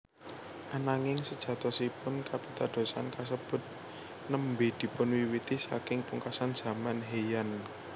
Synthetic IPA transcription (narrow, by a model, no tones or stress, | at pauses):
ʔanaŋɪŋsəd̥ʒ̥ä̤t̪ɔsipʊnkapit̪ad̪̥o̤sa̰nkas̬əb̥ʊ̤t̪̚ | nəmbid̪̥i̤pʊnwiwit̪isakɪŋpuŋkasanz̥a̤manɦejan